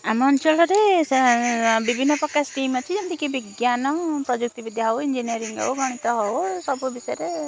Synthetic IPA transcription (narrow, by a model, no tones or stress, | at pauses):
amɔːnt͡ʃɔɭɔɾe | bibʱinːɔpɔkːasʈimɔt͡ʃʰid͡ʒɔnt̪ikibiɡjanɔpɾɔd͡ʒuk̚t̪ibid̪ʱjaɦɔwind͡ʒiniɔɾiŋɡɔ̰wɡɔɽ̃it̪ɔɦɔwsɔbubisɔjɔɾe